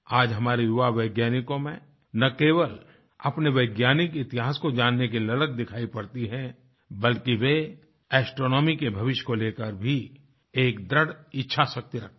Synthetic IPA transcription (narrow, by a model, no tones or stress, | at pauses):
aːd͡ʒɦɐmaːɾejʊʋaʋɐɪɡjaːnɪkõmẽ | nɐkeːʋəl | ɐpneʋɐːɡjaːnɪkɪt̪ɪɦaːskod͡ʒaːnːek̬ilɐlək̚d̪ɪkʰaːipɐɾt̪iɦɛ̃ | bɐlkiʋe | ɛːsʈɾoːnɔːmikebʱɐʋɪʃjkoleːkəɾbʱi | eːkd̪ɾəɽɪtːʃʰasɐk̚t̪iɾɐk̚ʰt̪